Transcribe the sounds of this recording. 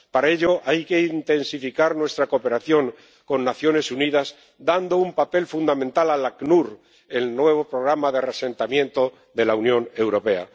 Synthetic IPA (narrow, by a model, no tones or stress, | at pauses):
paɾae̞ʎo̞ʔajke̞int̪e̞nsifikaɾnwe̞st̪ɾakope̞ɾaθjo̞ŋ | ko̞nːaθjo̞ne̞suniðaz | d̪and̪o̞umpape̞lfund̪amẽnt̪alalaknuɾ | e̞lnwe̞β̞o̞pɾo̞ɣɾamaðerese̞nt̪amjẽ̞nt̪o̞ | ðe̞launjõ̞ne̞wɾo̞pe̞a̰